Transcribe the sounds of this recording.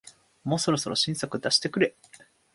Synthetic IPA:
moːso̞ɾo̞so̞ɾʔo̞ɕĩɰ̃sokɯ̟d̪aɕi̥t̪e̞kɯ̟ɾe̞

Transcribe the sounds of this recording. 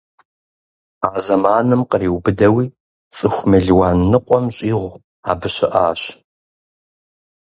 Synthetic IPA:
aːzɐmaːnɨmqəriːwbɨdɐwiː | t͡sʼɨxʷmɨɮwaːnːɨqʷʼɔmɕʼiːʁʷ | aːbɨɕɪʔaːɕ

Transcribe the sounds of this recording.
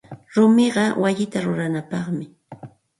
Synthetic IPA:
ɾʊmɪɢɑwaʎɪt̪aɾʊɾanapɑχmɪ

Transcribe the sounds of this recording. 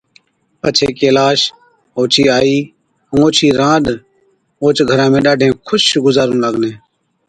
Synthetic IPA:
pət͡ʃʰeːkeːlaːʃ | oːt͡ʃʰiːaːĩː | oːt͡ʃʰiːɾãːɗ | oːt͡ʃɡʱəɾãːmẽːɗaːɖʱẽːkʰʊʃɡʊzaːɾũːləɡneː

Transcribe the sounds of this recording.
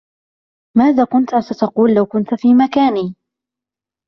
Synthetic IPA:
maːðaːkʊnt̪sat̪ɑquːlːawkʊnt̪fiːmakaːniː

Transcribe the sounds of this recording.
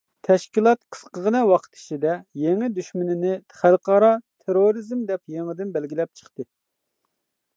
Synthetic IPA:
t̪ʰɛʃkʲilˠɑt̪qʰə̥sqəʁənɛwɑqʰə̥t̪ʰɪ̥t͡ʃʰid̪ɛjeŋɪd̪yʃmynɪnɪχælˠqʰɑɾɑt̪ʰeɾoɾɨzmd̪ɛpjeŋɪd̪ɪnbɛlɡʲilɛp̚t͡ʃʰə̥χt̪ɨ

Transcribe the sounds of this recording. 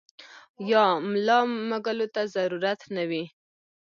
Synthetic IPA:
jɑmlɑmaɡəlot̪azaɾuɾat̪nawi

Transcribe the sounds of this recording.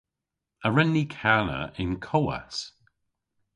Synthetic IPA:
əɹɛnːikʰalə̰ʔɪ̃nkʰɔwə̰s

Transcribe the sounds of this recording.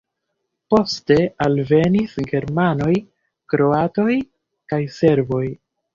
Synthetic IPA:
po̞ste̞alve̞nisɡe̞ɾmano̞j | kɾo̞ato̞j | kajse̞ɾvo̞j

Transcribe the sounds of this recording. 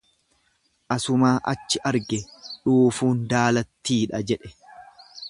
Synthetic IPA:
ʔɐsʊmaːʔɐt͡ʃːɪʔɐɾɡɛᶑuːfuːnd̪aːlɐt̪ːiːᶑɐd͡ʒɛᶑɛ̥

